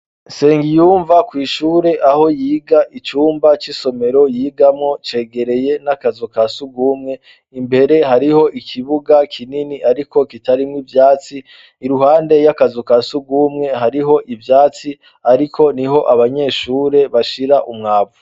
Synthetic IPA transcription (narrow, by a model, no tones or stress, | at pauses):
se̞ːŋɡijuːɱvakwiːʃuːɾe̞ʔaho̞jiːɡaʔit͡ʃuːmbat͡ʃiso̞me̞ɾo̞jiːɡamŋo̞t͡ʃe̞ːɡe̞ɾe̞je̞nakazokasuɡuːmŋe̞ | imbe̞ɾe̞ɦaɾiho̞ʔikʰiβuɡakʰininiʔaɾiko̞kitaɾimŋivjaːt͡siː | ɾuɦaːnde̞jakazokasuɡuːmŋe̞haɾiɦo̞ʔivjaːt͡si | aɾikʰo̞niɦo̞ʔaβaɲe̞ːʃuːɾe̞βaʃiɾaʔumŋaːβu